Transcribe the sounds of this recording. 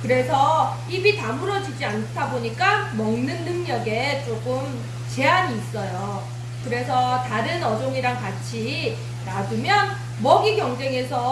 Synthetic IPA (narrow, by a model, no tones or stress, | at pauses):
kɯɾe̞sʰʌ | ibitamɯɾʌd͡ʑid͡ʑiantʰaboɲik͈amʌŋnɯnːɯŋɲʌɡe̞t͡ɕ͈oɡɯm | t͡ɕe̞aɲiːs͈ʌjo | kɯɾe̞sʰʌtaɾɯnʌd͡ʑoŋiɾaŋkat͡ɕʰi | nadumjʌn | mʌɡiɡjʌŋd͡ʑe̞ŋe̞sʰʌ